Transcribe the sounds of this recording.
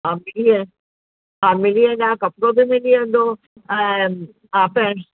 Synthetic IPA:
ɦãːmɪliẽ | ɦãːmɪliẽnãːkɐpɾobʱimɪliẽd̪o | ãːpɛ̃

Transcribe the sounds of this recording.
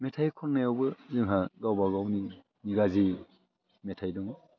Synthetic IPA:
mɛtʰajkʰɔnnːajɔwbɯzɯŋɦaɡawbaɡawni | niɡazi | mɛtʰajdɔŋɔ

